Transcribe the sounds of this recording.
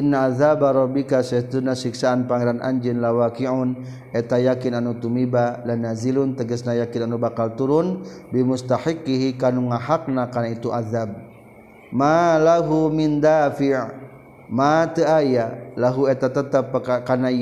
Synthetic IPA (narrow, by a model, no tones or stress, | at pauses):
ʔɪnːaaðabaɾˤɔbikasat̪unasiksaːnpaŋɛɾanʔa̰ɲd͡ʒɪnlawakiʕʊn | ɛt̪ajakɪnanut̪umibalanazilunt̪əɡəsnajakinanubakalt̪uɾʊnbimʊst̪aħikːiɦikanuŋaɦak̚nakanait̪uʔaðab̚ | malaɦumɪnd̪aːfɪʕ | mat̪əajalaɦuɛt̪at̪ət̪əpːkakana